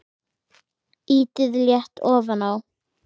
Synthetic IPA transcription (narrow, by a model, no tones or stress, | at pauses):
iːt̪ɪðljɛht̪ʰɔːvanaw